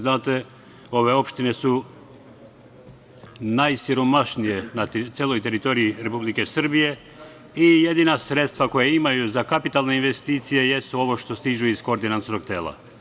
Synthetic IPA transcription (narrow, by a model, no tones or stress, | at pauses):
znaːt̪e | o̞ʋe̞o̞pʃt̪ine̞su | najsiɾo̞maʃnije̞nat̪eːlˠojt̪e̞ɾit̪o̞ɾiiɾe̞publike̞sr̩bije̞ | ije̞d̪inasɾet̪st̪ʋako̞jeimajuzakapit̪alˠne̞inʋe̞st̪iːt̪sije̞je̞st̪uo̞ʋo̞ʃt̪o̞st̪iʒuisko̞ɾd̪inant̪noɡ̚t̪eːlˠa̰